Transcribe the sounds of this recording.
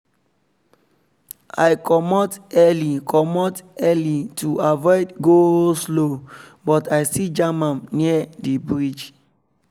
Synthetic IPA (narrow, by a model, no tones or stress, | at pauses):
aɪkɔmɔ̃tɛlikʰɔmɔ̃tɛlituavɔɪdɡoslo | bɔtaɪsid͡ʒamãmniɛdibɹid͡ʒ